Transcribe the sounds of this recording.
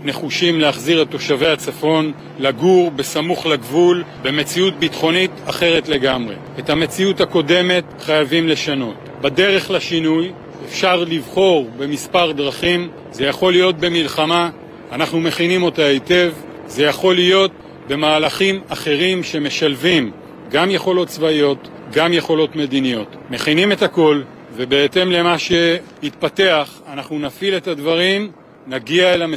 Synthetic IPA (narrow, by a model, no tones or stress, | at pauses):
ne̞χuʃimleaχziʁetːo̞ʃave̞jat͡safo̞n | laɡuʁbe̞samuχlaɡvulbe̞me̞t͡siut̚bitχo̞nitaχeʁe̞tle̞ɡamʁe̞̰etame̞t͡siuthako̞de̞me̞tχajavimle̞ʃano̞t | bade̞ʁe̞χlaʃinuj | efʃaʁlivχo̞ʁbe̞mispaʁdʁaχim | ze̞jaχo̞lːijo̞t̚be̞milχamaː | naχnume̞χinimo̞taete̞v | ze̞jaχo̞lijo̞t̚ | be̞maːlaχimaχe̞ʁimʃe̞me̞ʃalvim | ɡamje̞χo̞lo̞t̪̚t͡svaio̞t̪ | ɡamje̞χo̞lo̞tme̞d̪inijo̞t | me̞χinime̞tako̞l | ve̞be̞ete̞mle̞maʃe̞hit̪̚pate̞aχanaχnunafile̞tadvaʁim | naɡiaelame